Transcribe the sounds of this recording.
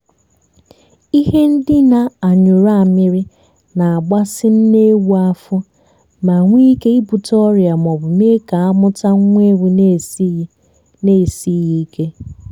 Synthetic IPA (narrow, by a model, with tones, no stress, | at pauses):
i˦ɦe˦n̩˦dɪ˦na˨a˨ɲʊ˨ɾa˦˨mɪ˦ɾɪ˦ | na˨a˨ɡ͡ba˦sɪ˦n̩˦ne˦wu˦a˦fʊ˦ | ma˨ŋʷi˦ke˦i˦bu˨tɔ˦ɾja˨m˨ɔ˨bʊ˨me˦ka˨a˦mʊ˦ta˦ŋ˦ŋʷ˦e˦wu˨n˦ | ne˦˨si˦ɣi˦kʰe˦